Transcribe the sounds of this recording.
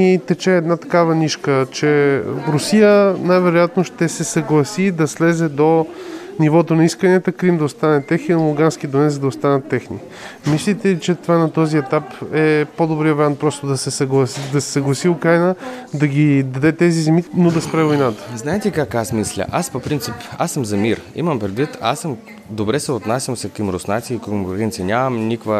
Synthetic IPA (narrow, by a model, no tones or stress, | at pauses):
it̪ɛt͡ʃɛːd̪nat̪ɐ̥kavɐniʃkət͡ʃɛɾʊsijənajvɛɾojat̪noʃt̪ɛsɛsɐɡlˠɐsid̪ɐslɛzɛd̪onivɔt̪onɐiskəniɛt̪əkɾimd̪ɐʊst̪anɛt̪ɛxninovʊɡansk̟id̪onɛzəd̪ɐʊst̪anət̪ːɛxni | mislʲit̪ɛit͡ʃɛt̪ovanɐt̪ɔziɛt̪apɛpod̪obɾiəvɐɾjant̪̚pɾɔst̪od̪ɐsɛsɐɡlˠɐsd̪ɐsɛ̥sɐɡlˠɐsiʊkɾajnəd̪ɐɡʲid̪ɐd̪ɛt̪ɛzizɛminod̪ɐspɾaɛvojnat̪ə̥znaɛt̪ɛkakasmislʲə̰ʔaspopɾint̪sipa̰səmzɐmiɾḭmɐmpɾɛd̪vit̪a̰səm | d̪obɾɛsɛot̪nasʲjɐmsɛkəmɾʊsnat̪siːkomɾɡɛnt̪sinʲamɐmnikvə